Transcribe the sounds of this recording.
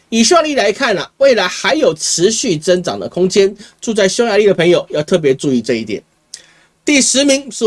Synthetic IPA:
i˨˩ʂwa˥˩˧li˥˩la˧˥ɪkʰa˥˩nlə̰˩we˥˩ɪla˨˥ɪxa˧˥ɪjo˨˩ʊʈ͡ʂʰɻ̩˧˦ɕy˥˩t͡sə˥ŋʈ͡ʂɑ̰˨˩ŋd̪ə̰˦kʰʊ˥ŋt͡ɕjɛ˥˦nʈ͡ʂu˥˧t͡sa˥˩ɪɕjo˥ʊja˧˦li˥˩d̪ə˩pʰə˧˥ŋjo˨˩ʊjɑ˥˧ʊt̪ʰɤ˥˩p̬jɛ˧˥ʈ͡ʂu˥˧i˥˧ʈ͡ʂɤ˥˧i˥˩t̪jɛ̰˨˩n | t̪i˥˩ʂɻ̩˧˦mi˧˥ŋ˥˧

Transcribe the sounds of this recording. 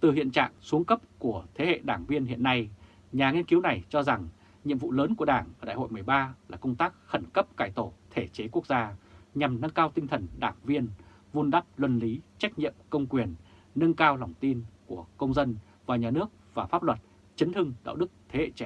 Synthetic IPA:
t̪ɨ˨˩ɦḭ˧˨ənt͡ɕa̰ː˧˨ŋsu˨˦əŋkə˦˥p̚ku˧˩ət̪ʰe˨˦hḛ˧˨ɗaː˧˩ŋvi˧ənhḭ˧˨ənːa˧j | ɲaː˨˩ŋi˧ənki˨˦wna˨˩jt͡ɕɔ˧za˨˩ŋ | ɲḭ˧˨əmvṵ˧˨ləː˨˦nku˧˩əɗaː˧˩ŋʔəː˧˩ɗa̰ː˧˨ho̰˧˨jmɨ˨˩əjɓaː˧laː˨˩kə˧wŋ͡mt̪aː˦˥k̚xə˧˩nkə˦˥p̚kaː˧˩jt̪o˧˩t̪ʰe˧˩t͡ɕe˨˦ku˦˥ək̚zaː˧ɲa˨˩mnɨ˧ŋkaː˧wt̪ï˧ŋ̟t̪ʰə˨˩nɗaː˧˩ŋvi˧ən | vu˧nɗa˦˥p̚lwə˨˩nli˨˦t͡ɕa˦˥k̟̚ɲḭ˧˨əmkə˧wŋ͡mkwi˨˩ənːɨ˧ŋkaː˧wla˨˩wŋ͡mt̪i˧nku˧˩əkə˧wŋ͡mzə˧n | vaː˨˩ɲaː˨˩nɨ˦˥ək̚vaː˨˩faː˦˥p̚lwə˨˩t̚ | t͡ɕə˨˦nhɨ˧ŋɗa̰ː˧˨wɗɨ˦˥k̚t̪ʰe˨˦hḛ˧˨t͡ɕɛ˧˩˨

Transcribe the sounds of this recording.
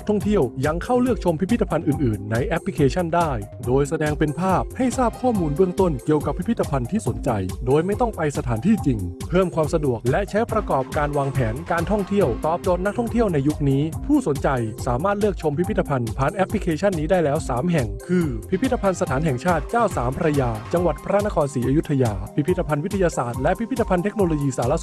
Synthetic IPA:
kt̪ʰɔ˥˩ŋt̪ʰi˥˩əwja˧ŋkʰa˥˩wlɯ˥˩ək̚t͡ɕʰo˧mpʰi˦˥pʰi˥t̪ːa˧pʰa˧nʔɯː˨˩nʔɯː˨˩nːa˧jʔɛ˦˥pʰli˦˥kʰeː˧t͡ɕʰa˥˩ndaː˥˩j | doː˧jsa˧dɛː˧ŋpe˧npʰaː˥˩p̚ha˥˩jsaː˥˩p̚kʰɔː˥˩muː˧nbɯ˥˩əŋt̪o˥˩nki˨˩əwka˨˩pʰːi˦˥pʰi˦˥t̪ʰːa˧pʰa˧nt̪ʰiː˥˩so˩˦nt͡ɕa˧jdoː˧jma˥˩jt̪ɔ˥˩ŋpa˧jsa˧t̪ʰaː˩˦nt̪ʰiː˥˩t͡ɕi˧ŋpʰɤː˥˩mkʰwaː˧msa˧du˨˩ək̚lɛ˦˥ʔt͡ɕʰa˦˥jpɾa˧kɔː˨˩p̚kaː˧nwaː˧ŋpʰɛː˩˦nkaː˧nt̪ʰɔ˥˩ŋt̪ʰi˥˩əwt̪ɔː˨˩p̚t͡ɕoː˨˩t̪̚na˦˥t̪ʰɔ˥˩ŋt̪ʰi˥˩əwna˧jːu˦˥k̚niː˦˥pʰuː˥˩so˩˦nt͡ɕa˧jsaː˩˦maː˥˩t̪̚lɯ˥˩ək̚t͡ɕʰo˧mpʰi˦˥pʰi˥t̪ːa˧pʰa˧npʰaː˨˥nʔɛ˦˥pʰli˧˥kʰeː˧t͡ɕʰa˥˩nːiː˦˥daː˥˩jlɛː˦˥wsaː˩˦mɦɛ˨˩ŋkʰɯː˧pʰi˦˥pʰi˦˥t̪ːa˧pʰa˧nsa˧t̪ʰaː˩˦nɦɛ˨˩ŋt͡ɕʰaː˥˩t̪̚t͡ɕaː˥˩wsaː˩˦mpʰa˧ɾa˧jaː˧t͡ɕa˧ŋwa˨˩t̪̚pʰa˧ɾa˥˩na˦˥kʰɔː˧nsiː˩˦ʔaː˧ju˥t̪ʰːa˧jaː˧pʰi˦˥pʰi˦˥t̪ːa˧pʰa˧nwi˦t̪ʰːa˧jaː˧saː˨˩t̪̚lɛ˦˥ʔpʰi˦˥pʰi˦˥t̪ʰːa˧pʰa˧nt̪e˦˥k̚noː˧loː˧jiː˧saː˩˦la˧˥s

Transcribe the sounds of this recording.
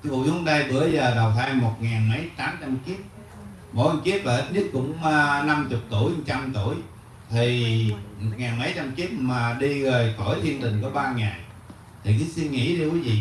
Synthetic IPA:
vṵ˧˨zu˨˦nɗa˧jɓɨ̰˧˩ə˦zəː˨˩ɗa˨˩wt̪ʰaː˧jmo˨˩t̚ŋaː˨˩nmə˨˦jt̪aː˨˦mt͡ɕa˧mki˦˥əp̚ | mo̰˨˧˦a˧mki˦˥əp̚la˨˩˦t̚ɲɨ˦˥t̚kʊ̰˧˥ŋ͡mna˧mt͡ɕʊ˨˩k͡p̚t̪u˧˩əjt͡ɕa˧mt̪u˧˩əj | t̪ʰi˨˩mo˨˩t̚ŋaː˨˩nmə˨˦jt͡ɕa˧mki˦˥əp̚maː˨˩ɗi˧ɣəː˨˩jxə˧˩jt̪ʰi˧ənt̪ï˨˩ŋ̟ku˧˩əɓaː˧ŋaː˨˩j | t̪ʰi˨˩kɨ˨˦si˧nŋḭ˧˥ti˧kwi˨˦vḭ˧˨

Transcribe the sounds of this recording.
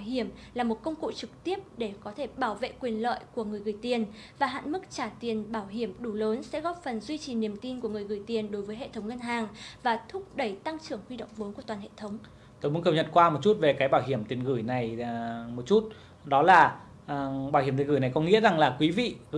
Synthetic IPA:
hi˧˩əmlaː˨˩mo˨˩t̚kə˧wŋ͡mkṵ˧˨t͡ɕɨ˨˩k̚t̪i˦˥əp̚ɗe˧˩kɔ˨˦t̪ʰe˧˩ɓaː˧˩wvḛ˧˨kwi˨˩ənlə̰ː˧˨jku˧˩əŋɨ˨˩əjɣɨ˨˩jt̪i˨˩ən | vaː˨˩ɦa̰ː˧˨nmɨ˦˥k̚t͡ɕaː˧˩t̪i˨˩ənɓaː˧˩wɦi˧˩əmɗu˧˩ləː˨˦nsɛ̰˧˥ɣɔ˦˥p̚fə˨˩nzwi˧t͡ɕi˨˩ni˨˩əmt̪i˧nku˧˩əŋɨ˨˩əjɣɨ˨˩əjt̪i˨˩ənɗo˨˦jvəː˨˦jɦḛ˧˨t̪ʰə˨˦wŋ͡mŋə˧nɦaː˨˩ŋvaː˨˩t̪ʰʊ˦˥p̚ɗə˧˩jt̪a˧ŋt͡ɕɨ˧˩əŋhwi˧ɗo̰˧˨wŋ͡mvo˨˦nku˧˩ət̪waː˨˩nɦḛ˧˨t̪ʰə˨˦wŋ͡m | t̪o˧˦jmu˨˦nkə˧˩ɲə̰˧˨nkwaː˧mo˨˩t̚t͡ɕu˦˥t̚ve˨˩kaː˨˦jɓaː˧˩wɦi˧˩əmt̪i˨˩ənɣɨ˧˩jna˨˩jmo˨˩t̚t͡ɕu˦˥t̚ | ɗɔ˨˦laː˨˩ | ɓaː˧˩whi˧˩˨i˨˩ɣjna˨˩jkɔ˨˦ŋḭ˧˥əza˨˩ŋlaː˨˩kwi˨˦vḭ˧˨˧

